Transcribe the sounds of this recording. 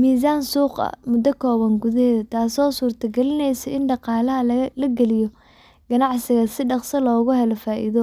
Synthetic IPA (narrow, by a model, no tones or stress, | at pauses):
miːs̬aːnsuːqɐ̰mʊd̪ːɔkʰɔːβɐŋɡʊðɐhɛːðɐt̪ʰaːsɔːsuːrt̪ʰɐɡɛlɪnɛjsɔʔɪnɖɑqɑːlɐɦɐlɐɡɛlɪjɔ | ɡ̥ɐnɑʕsɪɣɐsɪɖɑqsɐlɔːɣʊɦɛlɔfaːʔḭðɔ